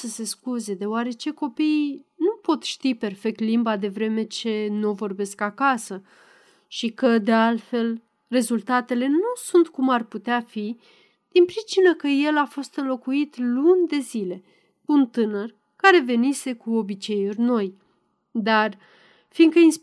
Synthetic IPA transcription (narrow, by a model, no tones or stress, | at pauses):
səse̞skuze̞d̪e̞oaɾe̞t͡ʃe̞ko̞pinupo̞t̪ʃt̪ipe̞rfe̞k̚t̪limbad̪e̞vɾe̞me̞t͡ʃe̞novo̞rbe̞skakasə | ʃikəd̪e̞alfe̞l | re̞zult̪at̪e̞le̞nusunt̪kumarput̪eafi | d̪̥inpɾit͡ʃinəkəje̞lafo̞st̪ɨnlo̞kuit̪lunʲd̪e̞zile̞ | unt̪ɨnər | kaɾe̞ve̞nise̞kuo̞bit͡ʃe̞jurʲno̞j | d̪ar | finkəins